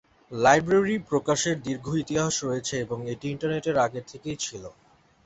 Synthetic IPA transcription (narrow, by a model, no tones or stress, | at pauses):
lajbɾaɾipɾokaʃeɾd̪iɾɡʱoit̪iɦaɦoʃɾojet͡ɕʰeeboŋeʈiiɳʈaɾneʈeɾaɡeɾt̪ʰekejt͡ɕʰilo